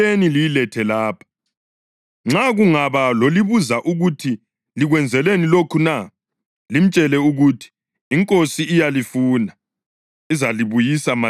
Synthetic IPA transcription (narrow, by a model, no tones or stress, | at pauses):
enilijilɛtʰɛlaːpʰḁ | ŋ͡ǁaɣuŋaβaloliβuzaʔuɣutʰi | liɣwɛnd͡zʱɛlenilokʰuna | lim̩t͡ʃʼɛlɛuɣutʰi̥ː | ŋkʼosiːjalifuːna | izaliβujisama